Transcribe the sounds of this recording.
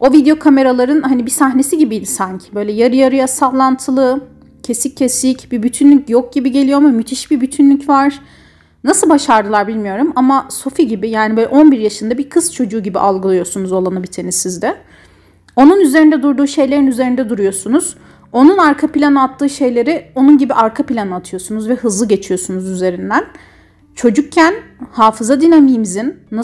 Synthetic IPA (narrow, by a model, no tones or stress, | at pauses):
o̞vid̪eo̞kʰame̞ɾalˠaɾɯnhanibisaɦne̞siɟibijd̪ʲisaɲcʰi̥bø̞jlʲɛjaɾɯjaɾɯjasavlˠant̪ʰɯlˠɯ | cʰe̞sicʰːe̞sicbibyt̪ʰynlʲycjok̚ɟ̥ibiɟe̞lʲijo̞mumyt̪ʰiʃbibyt̪ʰynlʲycvaɾ̥ | nasɯlˠbaʃaɾd̪ɯlˠaɾbilʲmijo̞ɾumamaso̞fiɟibijaːnibøːlɛʔo̞nbiɾjaʃɯnd̪abikʰɯst͡ʃʰo̞d͡ʒuːɟibḭʔalˠɡɯlˠɯjo̞sunuzo̞lˠanabit̪ʰe̞nizizd̪ɛ | o̞nunyze̞ɾind̪ɛd̪uɾd̪uːʃe̞jlʲe̞ɾinyze̞ɾind̪ɛd̪uɾujo̞sunuz̥ | o̞nunaɾkʰapilʲanɯat̪ʰːɯːʃe̞jlʲe̞ɾio̞nunɟibiʔaɾkʰapilʲanɯat̪ʰɯjo̞sunuzvɛhɯzlˠɯɟe̞t͡ʃʰijo̞sunuzyze̞ɾind̪æn | t͡ʃʰo̞d͡ʒuk̚cʰːænhaːfɯzad̪inemijmizinːa